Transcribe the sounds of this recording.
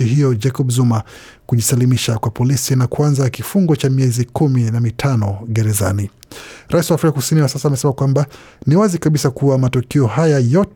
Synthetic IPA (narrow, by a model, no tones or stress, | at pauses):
iɦijɔd͡ʒɛkɔɓzuma | kuʄisalimiʃakwapɔlisinakuanzakifuŋɡɔt͡ʃamiɛzikuminamitʰanɔɡɛɾɛza̰niɾʔaisiwaːfɾikakusiniwasasaːmɛsɛmakwamba | niwazikaɓisakuwamatukiɔhajajɔt